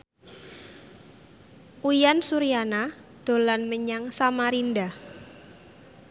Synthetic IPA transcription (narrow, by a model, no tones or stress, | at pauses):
ʔujansuɾijana | d̪̥o̤lanməɲaŋsamaɾinda